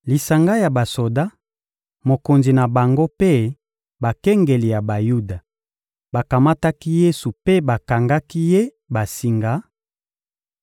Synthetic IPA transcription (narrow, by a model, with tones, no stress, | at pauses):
li˨sa˨ŋɡa˦ja˨ba˨so˨da˦ | mo˨ko˨nzi˨na˨ba˨ŋɡo˦pe˦ | ba˨kɛ˦ŋɡe˨li˨ja˨ba˨ju˦da˨ | ba˨ka˨ma˦ta˦ki˦je˦su˨pe˦ba˨ka˨ŋɡa˦ki˦je˦ | ba˨si˦ŋɡa˦